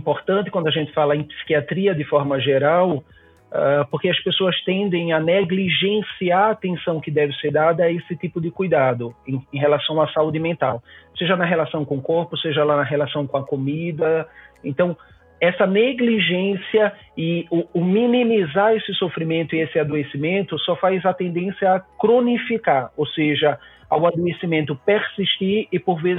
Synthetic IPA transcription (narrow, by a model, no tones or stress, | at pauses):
ĩpoɾt̪ɐ̃nt̪ɪkwɐ̃nd̪ʊaʒẽnt̪ɪfalɐẽpsi̥kiat̪ɾiɐd̪ɪfɔɾmɐʒeɾaw | ɛpoɾkɪɐspesoɐst̪ẽnd̪ẽj̃ɐneɡliʒẽsiaɾt̪ẽsɐ̃w̃kɪd̪ɛvɪseɾd̪ad̪ɐesɪt̪ipʊd̪ɪkujd̪ad̪ʊẽẽj̃ɦelasɐ̃w̃asaud̪ɪmẽnt̪awseʒɐnɐɦelasɐ̃w̃kõʊkoɾpʊseʒɐlanɐɦelasɐ̃w̃kõɐkomid̪ɐẽnt̪ɐ̃w̃ | ɛsɐneɡliʒẽsiɐ | ɪʊʊmĩnĩmizaɾesɪsofɾimẽnt̪ʊiesɪad̪oesimẽnt̪ʊsɔfajzɐt̪ẽnd̪ẽsjɐːkɾõnifikaɾowseʒɐ | a̰wad̪oesimẽnt̪ʊpeɾsiʃt̪iɾɪpoɾvez